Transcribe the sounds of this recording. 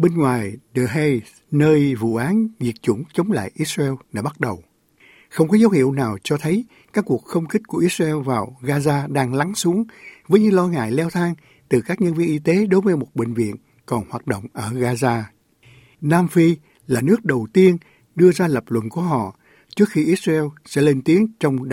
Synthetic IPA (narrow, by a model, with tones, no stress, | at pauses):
ɓe˧nŋwaː˨˩jɗəː˨˩ɦe˧ | nəː˧jvṵ˧˨ʔaː˨˦nzi˨˩ət̚t͡ɕʊ˧˩ŋ͡mt͡ɕə˨˦wŋ͡mla̰ː˧˨jʔi˦˥t̚za˧ɛ˧wɗa̰ː˧˥ɓa˦˥t̚ɗə˨˩w | xə˧wŋ͡mkɔ˨˦zə˨˦whḭ˧˩əwnaː˨˩wt͡ɕɔ˧t̪ʰə˨˦j | kaː˦˥kːu˨˩ək̚xə˧wŋ͡mxi̟˦˥ku˧˩əʔi˦˥t̚za˧ʔɛ˧wvaː˨˩wɣaː˧zaː˧ɗaː˧ŋla˨˦ŋsu˨˦əŋvəː˨˦jɲɨ̰˧˦ŋlɔ˧ŋa̰ː˧˨jlɛ˧wt̪ʰaː˧ŋ | t̪ɨ˨˩kaː˦˥k̚ɲə˧nvi˧ənʔi˧t̪e˨˦ɗo˨˦jvəː˨˦jmo˨˩t̚ɓï˨˩ŋ̟vḭ˧˨ən | kɔ˨˩nhwaː˨˩t̚ɗo̰˧˨wŋ͡mʔəː˧˩ɣaː˧zaː˧ | naː˧mfi˧ | laː˨˩nɨ˦˥ək̚ɗə˨˩wt̪i˧ən | ɗɨ˧əzaː˧lə˨˩p̚lwə̰˧˨nku˧˩əɦɔ̰˧˨ | t͡ɕɨ˦˥ək̚xi˧ʔi˦˥t̚za˧ɛ˧wsɛ̰˧˥le˧nt̪i˨˦əŋt͡ɕɔ˧wŋ͡mɗ